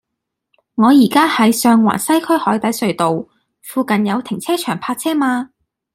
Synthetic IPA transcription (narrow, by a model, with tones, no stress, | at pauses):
ŋɔː˨˧jiː˨˩kaː˥hɐ˨˥jsœː˧ŋwa̰ː˨˩nsɐ˥jkʰɵ˥ɥhɔː˨˥jt̪ɐ˨˥jsɵ˨˧ɥt̪o˨w | fuː˨˧kɐ˨njɐ˨˧wt̪ʰɪ˨˩ŋt͡sʰɛː˥t͡ʃʰœː˨˩ŋpʰaː˧t̚t͡sʰɛː˥maː˧